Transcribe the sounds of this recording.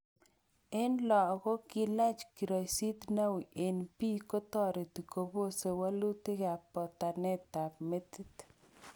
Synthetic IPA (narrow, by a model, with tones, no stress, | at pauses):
e˦nlɔ˨ɣɔ˦ki˦la˦t͡ʃki˨ɾɔ˨jsi˦t̪na˦wi˨ʔe˨npi˦kɔ˦t̪ɔ˦ɾe˨t̪i˨ko˨bo˦se˨wa˦lu˦t̪i˦ɣa˨pɔ˨t̪a˨nɛ˦t̪a˨pme˦t̪i˦t̪